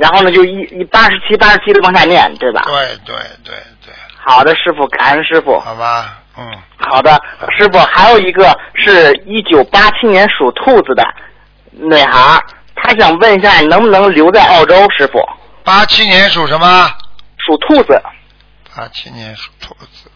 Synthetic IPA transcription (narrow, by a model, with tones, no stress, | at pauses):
ɻa˧˥nxo˥˩ʊnə˩t͡ɕjo˥˧ʊi˥˩i˥˩pa˥ʂɻ̩˧˥t͡ɕʰi˥pa˥ʂɻ̩˧˥t͡ɕʰi˥d̪ə˧kwɑ˥ŋtʰa˥˧njɛ˥˩nt̪we˥˩ɪbɐ̰˨˩t̪we˥˩ɪt̪wḛ˥˩ɪt̪wḛ˥˧ɪt̪we˥˩ɪxɑ˨˩ʊd̪ə˦ʂɻ̩˥˩fu˨˩ka̰˨˩˦nʂɻ̩˥˧fṵ˨˩˨bɐ˧ | n̩˥˩ | xɑ˨˩ʊd̪ə˦ʂɻ̩˥˩fu˨˩xa˧˥ɪjo˨˩ʊi˧˥ɡə˧ʂɻ̩˥˧i˥˩t͡ɕjo˨˩ʊpa˥t͡ɕʰi˥njɛ˧˥nʂu˨˩t̪ʰu˥˩d͡zɹ̩˩d̪ə̰˨˩ | nwe˨˩ɪxɑ˧˥ | t̪ʰa˥ɕjɑ˨˩ŋwə˥˩˧ni˧˥ɕja˥˩˨nɤ˧˥ŋbu˧nɤ˧˥ŋljo˧˥ʊt͡sa˥˧ɪʔɑ˥˩ʊʈ͡ʂo˥ʊʂɻ̩˥˧fṵ˩ | pa˥t͡ɕʰi˥njɛ˧˥nʂu˨˩ʂə˧˥mə˧ʂu˨˩t̪ʰu˥˩d͡zɹ̩˩ | pa˥t͡ɕʰi˥njɛ˧˥nʂu̥˨˩t̪ʰu˥˩d͡z̩˧˩